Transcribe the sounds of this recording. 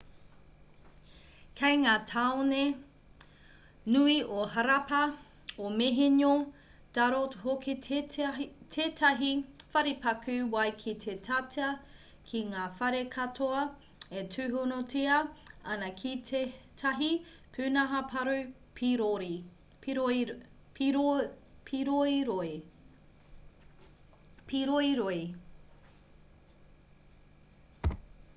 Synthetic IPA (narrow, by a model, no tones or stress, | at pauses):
kʰɐjŋaːtʰaone | nuiʔohɐɾɐpɐ | omeɦeɲo | d̥ɐɾotɦoki | tʰeːtʰɐɦifɐɾipɐkʰʉwɐjkʰit̪ʰetʰatʰɐ | kʰiŋaːfɐɾekʰɐtʰoɐ | etʰʉːɦonot͡siɐɐnɐkʰitʰɐɦi | pʰʉːnɐɦɐpʰɐɾʉ | pʰɾ | pʰiɾoiɾoi | piɾoiɾoi